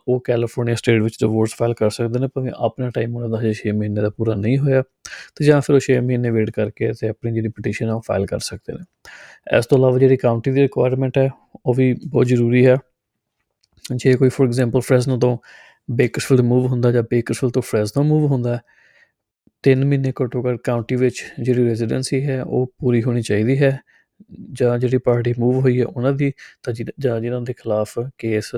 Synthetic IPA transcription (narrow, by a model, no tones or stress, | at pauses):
oːkɛːlɪpʰoːɾnijaːsʈeːʈʋɪt͡ʃd̪əʋoːɾspʰaːɪlkəɾsəkd̪eːnẽːpəɾəʋḭ̃ːʔapnaːʈaːimʊnãːd̪aːd͡ʒeʃeːmːəɦiːnːeːd̪aːpuːɾaːnəĩːɦoːjaː | t̪eːd͡ʒaãːpʰɪɾoːʃeːməɦiːnːeːʋeːʈkəɾkeːət̪eːəpniːd͡ʒeːɽiːpɪʈiːʃənɛːoːpʰa̰ːɪlkə̰ɾsək̚d̪ḛːneː | ɛ̰ːst̪õːəlaːʋaːd͡ʒeːɽiːkaːʊɳʈiːd̪iːɾɪkʋaːjɾmɛ̃ɳʈɦɛː | oːʋiːbɔːt̪zəɾuːɾiːɦɛː | d͡ʒeːkoːiːpʰɔːɾɛɡzɛ̃ːmpəlpʰɾɛːznãːt̪õː | beːkəɾsfɪldmuːʋɦʊ̃nd̪aːd͡ʒãːbeːkəɾsɪlt̪õːpʰɾɛːzt̪õːmuːʋɦʊ̃nd̪aːɦɛː | t̪ɪnmɪnːeːkəʈõːkəɾkaːʊɳʈiːʋɪt͡ʃd͡ʒeːɽiːɾɛːzɪɖə̰nsiːɦɛːo̰ːpuːɾiːɦoːñiːt͡ʃaːiːd̪iːɦɛː | d͡ʒãːd͡ʒeːɽiːpaːɾʈiːmuːʋɦoːiːɦɛ̰ːʔʊnãːd̪iːt̪ãːd͡ʒãːd͡ʒɪnãːd̪eːkʰɪlaːpʰkeːs